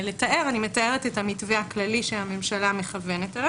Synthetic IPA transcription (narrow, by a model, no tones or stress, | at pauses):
le̞taʔe̞ʁanimetae̞ʁetetamitvehaklaliʃehame̞mʃalame̞χave̞neta